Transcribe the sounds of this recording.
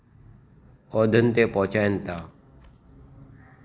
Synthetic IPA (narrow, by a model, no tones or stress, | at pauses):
ɔd̪ʱənt̪eːpɔɦt͡ʃaːjənt̪aː